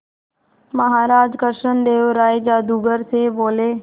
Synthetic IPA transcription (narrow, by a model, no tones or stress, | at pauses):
məɦaɾad͡ʒkəɾʂənd̪eːʋɾajd͡ʒad̪uɡəɾsebole